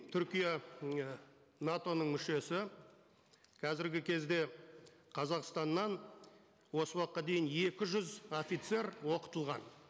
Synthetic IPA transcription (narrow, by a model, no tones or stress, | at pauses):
t̪ʰʏɾkʲija | nat̪o̞nəɴmʏʃe̞sɪ | qʰɑzɪɾɡʲɪkʲʰe̞zd̪e̞ | qʰɑzɑqst̪ɑnːɑn | wo̞səwɑqːɑd̪e̞jɪne̞kʲɪʒʏzo̞fit̪se̞ɾwo̞qə̥t̪əlˠʁɑ̰n